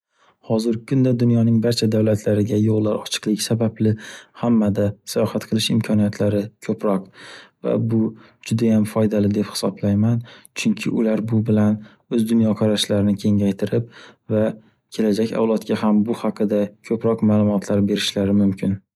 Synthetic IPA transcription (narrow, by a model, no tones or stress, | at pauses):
hɒzɪɾɪkʰʊnd̪ad̪ʊnjɒnɪŋbaɾt͡ʃʰad̪awlat̪ʰlaɾɪɡʲajollaɾɒt͡ʃʰɨ̥qlˠɪkʲsabablɪhamːad̪asajɒhat̪qʰɨlˠɪʃɪmkʰɒnijat̪ʰlaɾɪkʲʰɵpɾɒqva̰bʊ | d͡ʒʊd̪ajamfɒjd̪alɪd̪e̞phɪ̥sɒblajmant͡ʃʰʊŋkʲʰɪʔʊlaɾbʊbɪlan | ɵzd̪ʊnjɒqʰɑɾaʃlaɾɪnɪkʲʰe̞ŋajt̪ʰɪɾɪp̚va | kʲʰe̞lad͡ʒakʲa̰wlˠat̪kʲʰahambʊhɑqʰɨd̪akʲʰɵpɾɒqmaːlˠʊmɒt̪ʰlaɾbe̞ɾɪʃlaɾɪmʊmkʲʰɪn